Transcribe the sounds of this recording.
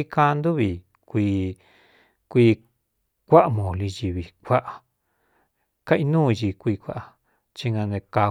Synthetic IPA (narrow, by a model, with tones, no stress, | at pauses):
i˦˧kã˧˦˧nd̪u˦βi˨ | kʷiː˧ | kʷiː˧ | kʷa˦ʔmõː˨li˧ji˧βi˧kʷa˦ʔa˨ | ka˦ʔi˧nũː˦˨˧ʒi˧kʷiː˧kʷa˦ʔa˧ | t͡ʃi˧ŋɡã˧nẽ˧ka˧